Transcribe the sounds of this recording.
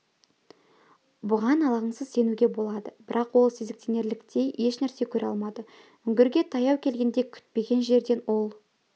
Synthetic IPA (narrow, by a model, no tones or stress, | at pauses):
bʊʁɑnɑlˠɑʁəɴsəzse̞nuɡʲe̞bo̞lˠɑd̪əbɪɾʔɑqwo̞lˠsezɪk̚t̪ʰene̞ɾlɪkt̪e̞jʔe̞ʃnæɾse̞kʲʰɵɾɑ̰lˠmɑd̪ə | ʏŋɡʲɪɾɡʲe̞t̪ʰɑjɑwkʲʰe̞lɡʲe̞nd̪ekʲʰʏ̥t̪̚pe̞ɡʲe̞nʒe̞ɾd̪e̞no̞lˠ